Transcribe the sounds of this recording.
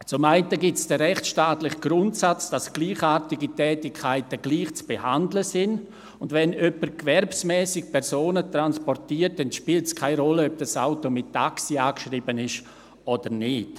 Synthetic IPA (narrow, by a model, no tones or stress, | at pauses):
t͡sʊmaɪntəɡɪtsd̥ɛɾɛχtʃtaːtlɪχɡ̥ɾʊntsat͡sd̥asɡ̥liːχaːɾtɪɡitɛːtɪkʰːaɪtəɡ̥liːχt͡sb̥eha̰ndləsɪn | ʊndvɛnœpəɾkvɛɾpsmɛːsɪk̚pʰɛɾsoːnətɾanspɔrtiːərt̚dɛnʃpiːltskʰaɪɾɔləœb̚d̥asaʊtomɪtːaksiaːkʃriːbənɪʃ | od̥əɾnɪt